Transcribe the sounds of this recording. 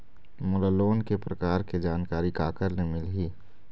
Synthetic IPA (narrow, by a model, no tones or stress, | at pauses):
mʊləloːnkepɾɐkaːɾked͡ʒaːnkaːɾikaːkəɾnemɪlɦiː